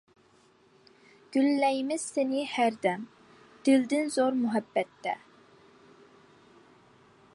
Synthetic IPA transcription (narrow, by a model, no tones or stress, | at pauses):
ɡ̥ʲylːɛjimɪz̥sɪnɪhæɾd̪ɛm | d̪̥ɪld̪ɪnzoɾmuɦɛbːɛt̪ːɛ̰